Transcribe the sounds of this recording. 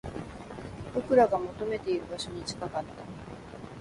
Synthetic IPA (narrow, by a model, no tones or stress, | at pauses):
bokɯ̟ɾaɡamo̞t̪o̞me̞t̪e̞iɾɯ̟baɕo̞ɲ̟it͡ɕi̥kakat̪ːa